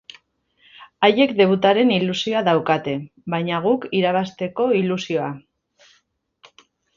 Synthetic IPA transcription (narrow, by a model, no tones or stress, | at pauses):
aje̞kd̪e̞β̞ut̪aɾe̞nilusio̞aðawkat̪e̞ | bajɲaɣ̞ukiɾaβ̞ast̪e̞ko̞ilusio̞a